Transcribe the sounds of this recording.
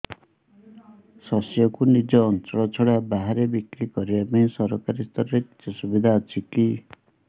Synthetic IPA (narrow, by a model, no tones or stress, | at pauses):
sɔsjɔkunid͡ʒɔːnt͡ʃɔɭɔt͡ʃʰɔɽabaɦaɾebikɾikɔɾibapaĩsɔɾɔkaɾist̪ɔɾɔɾet | ɔsubid̪ʱaːt͡ʃʰiki